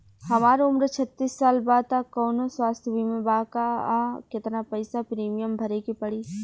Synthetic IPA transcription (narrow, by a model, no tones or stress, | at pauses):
hɐmaːɾeʊmɾət͡ʃʰɐt̪ːiːsːaːlbaːd̪̚t̪akɔːnoswaːst̪ʰjbimẽbaːkakɪt̪napɐɪsapɾiːmijəmbʱɐɾekipɐɽiː